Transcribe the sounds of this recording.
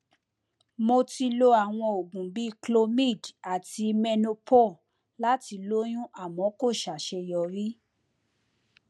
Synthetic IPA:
mo˧ti˧lo˧a˨w̃ɔ̃˧o˨ɡũ˨bi˨˦˧klo˧mĩ˦˨da˨ti˧mɛ˧no˧pʰo˦˨ | la˦ti˧lo˦j̃ũ˦ʔa˦˨mɔ̃˨˦ko˦˨ʃa˨ʃɛ˧jɔ˨ɾi˦

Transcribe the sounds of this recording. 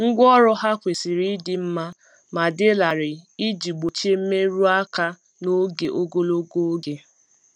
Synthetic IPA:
ŋ̩˦ɡʷɔ˦ɾʊ˦ɦa˦kʷe˨sɪ˨ɾi˦dɪ˨m̩˦ma˦ | ma˨dɪ˦la˨ɾɪ˨i˦d͡ʒi˨ɡ͡bo˨t͡ʃe˦m̩˦me˦ɾu˦a˦ka˦ | no˦ɡe˨ʔo˦ɡo˦lo˦ɡo˦o˦ɡe˦

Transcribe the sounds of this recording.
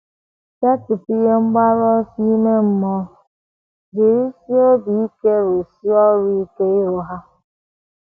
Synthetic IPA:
ke˦tʊ˨pi˦ɣe˦ŋ͡m̩˦ɡ͡ba˦ɾɔ˦si˦me˦m̩˦mɔ˦˨ | di˨ɾi˦si˦o˦bi˨i˦ke˦ɾo˨si˦ɔ˦ɾi˦i˦ke˦ɪ˦ɾʊ˨ɦa˦

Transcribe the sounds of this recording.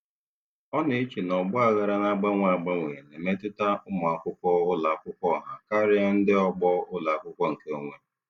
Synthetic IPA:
ɔ˦ne˨i˦t͡ʃi˨nɔ˨ɡ͡bʊ˦a˨ɣa˦ɾa˦na˦ɡ͡ba˦ŋʷa˨ɡ͡ba˦ŋʷe˨ɣe˨ne˨me˦tʊ˦ta˦ʊ˦mʊ˨a˨kʷʊ˦kʷɔ˦ʊ˦la˨a˨kʷʊ˦kʷɔ˦˨ɦa˦ka˦ɾɪ˦a˦n̩˦dɪ˦ɔ˦ɡ͡bɔ˦ʊ˦la˨a˨kʷʊ˦kʷɔ˦ŋ̩˨ke˦o˦ŋʷe˦

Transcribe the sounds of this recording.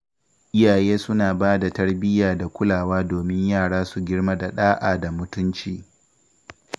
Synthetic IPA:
ʔɪ˦jaː˨jeː˦sʊ˦naː˨baː˦da˨tɐ˦ɽbɪ˦jaː˨da˨kʷʊ˦laː˨waː˦doː˨mɪ˦ɲjaː˦˨ɽaː˦su˨ɡʲɪ˦ɽma˦da˨ɗaː˦ʔaː˨da˨mʊ˦tʊ˦nt͡ʃiː˨

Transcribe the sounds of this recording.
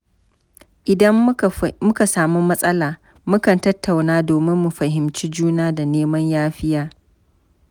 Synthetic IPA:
ʔɪ˨dɐ˦mmʊ˦ka˨saː˨mu˦mɐ˦sʼɐ˦laː˨ | mʊ˦kɐ˨ntɐ˦tːa˨wnaː˦doː˨mɪ˦mːu˨ɸɐ˨ɦɪ˨mt͡ʃi˦d͡ʒuː˦naː˦da˨neː˦mɐ˦ɲjaː˦ɸɪ˦jaː˦

